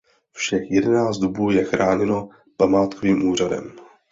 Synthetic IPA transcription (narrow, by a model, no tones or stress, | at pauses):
fʃɛxjɛdɛnaːt͡s̪d̪obuːjɛxɾaːɲɛno̞ | pamaːt̪koviːmʔuːr̝adɛ̰m